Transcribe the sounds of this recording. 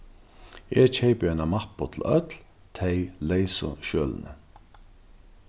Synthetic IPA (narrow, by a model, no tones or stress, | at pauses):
ɛːt͡ʃʰɛɪpəɛɪnamapʊt̪ʰl̩œ̰t̪l | t̪ʰɛɪlɛɪsʊ̰ʃøːlnə̰